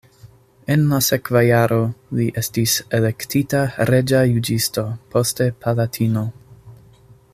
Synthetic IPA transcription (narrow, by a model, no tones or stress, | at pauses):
e̞nlase̞kvajaɾo̞liʔe̞stisele̞ktitaɾe̞d͡ʒajud͡ʒisto̞pʰo̞ste̞pʰalatʰino̞